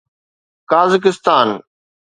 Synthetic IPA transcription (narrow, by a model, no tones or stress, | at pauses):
kaːzɪk̬ɪst̪aːn